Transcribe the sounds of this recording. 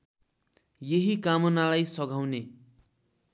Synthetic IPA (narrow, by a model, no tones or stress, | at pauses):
jeɦikamʌnalajsʌɡʱawne